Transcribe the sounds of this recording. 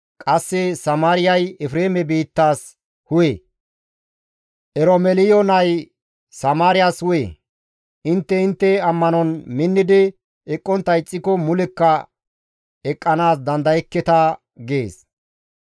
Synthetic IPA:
kʼɐsːɛsɐmaːɾɪjɐjɛfɾeːmɛbiːt̪ːaːs | hʊjḛ | ʔɛɾomɛlɪjɔnɐj | sɐmaːɾɪjaːshʊjḛ | ʔɪnt̪ːɛɪnt̪ːɛɐmːɐnɔnmɪnːɪd̪ɪ | ɛkʼːɔnt̪ːɐjt͡sʼːɪkɔmʊlɛkːɐ | ɛkʼːɐnaːsd̪ɐnd̪ɐjɛkːɛt̪ɐ | ɡe̞̰ːs

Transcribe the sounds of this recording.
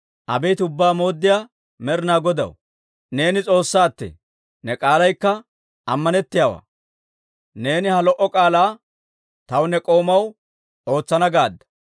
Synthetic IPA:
ʔɐbɛjt̪ʊbːaːmo̞ːd̪ːɪjaː | mɛɾɪnaːɡɔd̪ɐ̰w | ne̞ːnɪt͡sʼo̞ːsːaːt̪ːḛ | nɛkʼaːlɐjkːɐ | ɐmːɐnɛt̪ːɪjawa̰ː | ne̞ːnɪhɐlɔʔɔkʼaːlaː | t̪ɐwnɛkʼo̞ːmɐw | o̞ːt͡sːɐnɐɡaːd̪ːɐ̥

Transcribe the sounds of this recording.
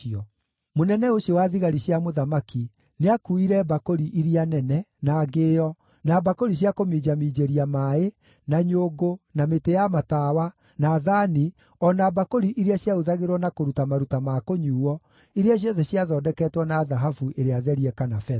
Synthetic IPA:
ɔ | monɛnɛoɕjɔwaðiɣaɾiɕjamoðamaki | neakuiɾɛbakoɾiʔiɾianɛnɛnaːɡeːɔ | nabakoɾiɕ̬jakomid͡ʑamid͡ʑeɾiamae | naɲoːɡonametejamatawa | naːðaːni | ɔnabakoɾiʔiɾeaɕjaoðaɣeɾwɔnakoɾutamaɾutamakoɲuːwɔ | iɾeaɕ̬jɔðɛɕiaðɔːdɛkɛtwɔnaːðaɦafuʔeɾeaðɛɾiɛkanafɛ

